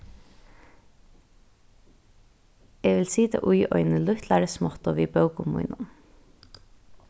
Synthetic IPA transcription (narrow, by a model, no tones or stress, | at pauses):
eːʋɪlsiːd̪ʰḛːʔʊʏʔœ̰ʏnəlʉht̪læːɾəsmɔt̪oːʋiːbɑʉkʊmṵʏnʔɑn